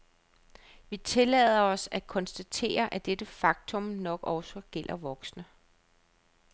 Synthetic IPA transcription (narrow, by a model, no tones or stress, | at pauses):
ʋit͡sʰe̝lɛ̰ðˠɐɒ̽sækʰɒ̽nsd̥æt͡sʰe̝̰ːɐʔæd̥ed̥əfɑ̈ɡ̥̚t͡sʰɔ̽mnɒ̽ɡ̥ɒʊsɒɡ̥el̰ʔɐʋɒ̽ɡ̥snə